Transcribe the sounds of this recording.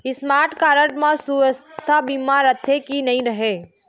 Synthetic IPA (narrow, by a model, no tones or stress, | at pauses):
ɪsmaːɾʈkaːɾəʈmãsuəst̪ʰabiːmaːɾət̪ʰːekinɐɦĩɾɐɦeː